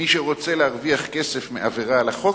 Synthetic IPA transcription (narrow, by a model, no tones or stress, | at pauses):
iʃeʁot͡selehaʁviaχkesefmḛʔaveʁalaχo